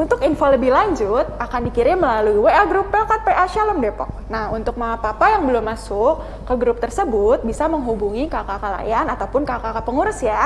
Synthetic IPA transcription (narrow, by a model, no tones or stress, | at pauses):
unt̪ʊkinfoləbilaɲd͡ʒʊt̪̚akandikiɾɪnməlaluiweaɡɾupːɛkat̪̚peʔaʃaləmdɛpɔ̰k̚ | nahunt̪ʊk̚maapapajaŋbəlʊmːasʊkːəɡɾʊp̚t̪ərsəbʊt̪̚bisaməŋɦubuŋikakakala̰janat̪awpʊnkakakapəŋuɾʊsja